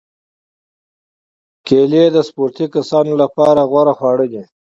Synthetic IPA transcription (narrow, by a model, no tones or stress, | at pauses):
keːled̪əspuːɾt̪ikasɑːnolapɑːɾaɣwaɾaxwɑːɽəd̪i